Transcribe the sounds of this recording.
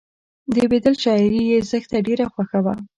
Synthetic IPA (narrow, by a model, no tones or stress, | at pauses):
d̪əbed̪əlʃɑɪɾijezəxt̪aɖeɾaxwaxawa